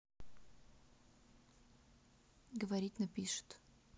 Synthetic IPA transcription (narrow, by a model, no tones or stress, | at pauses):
ɡəvɐɾʲit̚ʲnɐpʲiʂɨ̥t̪